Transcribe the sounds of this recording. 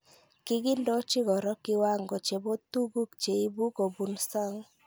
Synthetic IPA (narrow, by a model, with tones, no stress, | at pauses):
kɪ˦ɡɪ˦ndɔ˦t͡ʃɪ˦ɡɔ˨ɾɔ˦kɪ˦wa˦ŋɡɔ˨t͡ʃe˨bo˦t̪u˦ɡu˦kt͡ʃe˨i˦bu˦ko˨bu˨nsa˦ŋ